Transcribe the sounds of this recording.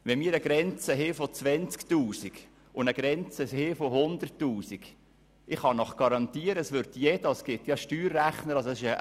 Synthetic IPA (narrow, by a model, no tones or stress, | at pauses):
ʋɛmiːɾəɡ̥ɾɛnt͡səɦɪfot͡sʋɛnt͡sktuːsiɡ̥ | ʊnəɡ̥ɾɛnt͡səhɪfohʊnd̪ərtːuːsiɡ̥ | ɪχhɑnɔχɡ̥ɑɾɑnt̪iəɾəəsʋʏɾt̪jɛdɑsɡ̥ɪt̪jɑʃtyːɾːæχnəɾɑsosɪʃə